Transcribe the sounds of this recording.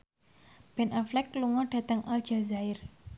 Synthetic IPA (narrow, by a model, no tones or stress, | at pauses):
b̥ɛnaflɛkːluŋɔɖ̥ä̤t̪əŋʔald̥d͡ʒ̥a̤zaɪr